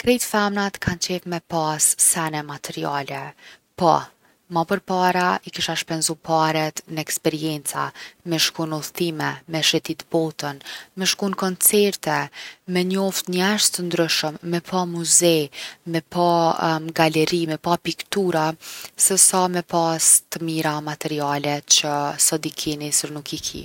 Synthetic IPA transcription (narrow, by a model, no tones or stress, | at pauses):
kɾɛjt̪famnat̪kʰant͡ɕɛfmɛpasːɛnɛmat̪ʰɛɾialɛpa̰ | mapəɾpaɾaikiʃaʃpɛnzupaɾɛt̪nəɛkspɛɾiɛnt͡sa̰mɛʃkunuθt̪imɛmɛʃɛt̪it̪bɔt̪ənmɛʃkunkɔnt͡sɛɾt̪ɛmɛɲəɔft̪ɲɛʃt̪ənd̪ɾyʃəmːɛpʰamuzɛmɛpaɡalɛɾimɛpapikt̪uɾasɛsamɛpast̪əmiɾamat̪ɛɾialɛt͡ɕəsɔd̪ikʰinisɾnukikʰḭ